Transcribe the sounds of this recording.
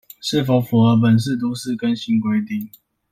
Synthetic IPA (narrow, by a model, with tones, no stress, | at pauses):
ʂɻ̩˥˨fo˨˥ʊfu˨˩ə˧˦p̬ə˨˩ns̬ɻ̩˥˨t̪̬u˥sɻ̩˥˨kə˦nɕi˧˥ŋkwe˥ɪt̪i˥˨ŋ